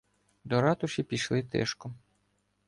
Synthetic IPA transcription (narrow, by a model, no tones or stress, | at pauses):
d̪ɔɾɑt̪ʊʃʲipʲiʃlˠɪt̪ɛ̰ʃkɔ